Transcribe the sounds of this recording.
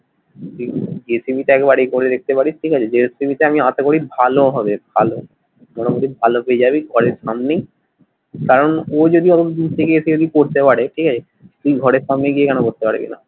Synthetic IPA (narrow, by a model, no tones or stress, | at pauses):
t̪id͡ʒesibʱit̪eɛkebaɾekoɾed̪ek̚ʰt̪epaɽiʈʰikat͡ɕʰed͡ʑesibit̪eamiãt̪ekoɽibʱaloɦɔbebʱalo | mɔʈapod̪ʱibʱalopeed͡ʑabiɡʱɔɽeɾʃamnej | kaɾonod͡ʑod̪iɔt̪ot̪od̪int̪ʰekeesʰid͡ʒod̪ikoɾt̪epaɽeʈʰikat͡ɕʰe | t̪uiɡʱɔɽeɾʃamneɡiekɛnokoɾt̪epa̰ɽ̰kḭna̰